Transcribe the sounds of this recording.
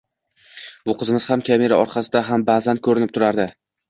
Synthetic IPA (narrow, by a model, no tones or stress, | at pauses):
bʊqʰɨzɪmɪzhamkʲʰame̞ɾaɒɾqʰɑsɪd̪aɦambazankʰɵɾɪnɪp̚t̪ʰʊɾaɾd̪ɪ